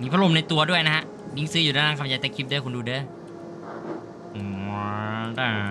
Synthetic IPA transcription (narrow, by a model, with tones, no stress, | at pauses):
niː˦˥pʰa˥o˨˩mna˧jt̪u˧ɐdu˥˩əjna˦˥kʰa˦˥ʔ | ni˦˥ŋsɯː˦˥juː˨˩aː˥˩aː˥ŋkʰa˧mjaː˧jt̪eː˧˥˩kʰi˦˥p̚dɯ˥˩˨jkʰo˧nduː˧dɯː˦˥˩ | da˧˩